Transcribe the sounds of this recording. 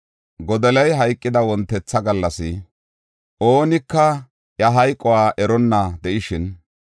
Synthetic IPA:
ɡɔd̪ɛlɐjɦɐjkʼːɪd̪ɐwɔnt̪ːɛt͡sːɐɡɐlːɐsɪ | ʔo̞ːnɪkːɐ | jɐɦɐjkʼːɔwaːʔɛɾɔnːɐd̪ɛʔɪʃɪn

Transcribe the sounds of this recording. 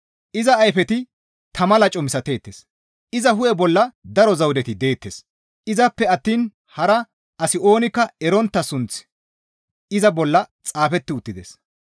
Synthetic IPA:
ʔɪzɐːjfɛt̪ɪ | t̪ʰɐmɐlɐt͡ʃʼɔmɪsɐt̪e̞ːt̪ːes | ɪzɐɦʊʔɛbɔlːɐd̪ɐɾɔzɐwd̪ɛt̪ɪd̪e̞ːt̪ːes | ʔɪzɐpːɛɐt̪ːiːn | hɐɾɐ | ɐsɪo̞ːnɪkːɐɛɾɔnt̪ːɐsʊnt͡s | ɪzɐbɔlːɐt͡sʼaːfɛt̪ːɪʊt̪ːɪd̪ḛs

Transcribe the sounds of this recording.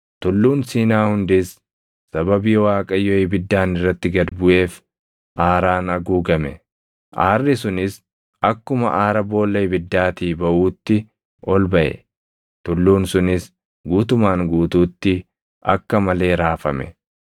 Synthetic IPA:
t̪ʊlːuːnsiːnaːhʊnd̪ɪs | sɐbɐbiːwaːkʼɐjːɔɪbɪd̪ːaːnɪrːɐt̪ːɪɡɐd̪bʊʔe̞ːf | ʔaːɾaːnɐɡuːɡɐmɛ | ʔaːrːɪsʊnɪs | ɐkːʊmɐ̰ʔaːɾɐbo̞ːlːɐjbɪd̪ːaːt̪iːbɐʔuːt̪ːɪ | ʔɔlbɐʔɛ̰ | t̪ʊlːuːnsʊnɪs | ɡuːt̪ʊmaːŋɡuːt̪uːt̪ːɪ | ʔɐkːɐmɐle̞ːɾaːfɐmɛ̰

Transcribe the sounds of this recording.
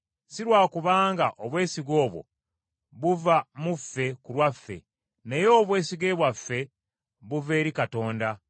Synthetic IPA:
siɾwaːkuβaːŋɡaʔoβwe̞ːsiɡo̞ːβwo̞̰ | βuvamufːe̞kulwafːe̞̰ | ne̞jo̞ːβwe̞ːsiɡe̞ːβwafːe̞ | βuve̞ːɾikato̞ːnda

